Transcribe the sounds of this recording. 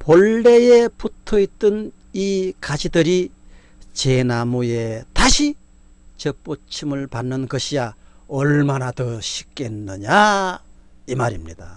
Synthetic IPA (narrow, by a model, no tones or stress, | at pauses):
poɭːe̞jeputʰʌit̪͈ɯn | ikad͡ʑidɯɾi | t͡ɕe̞namuje̞t̪aɕʰi | t͡ɕʌp͈ot͡ɕʰimɯɭpanːɯnkʌɕʰijaʌɭmanat̪ʌɕʰi̥k͈ːenːɯɲa | imaɾimɲida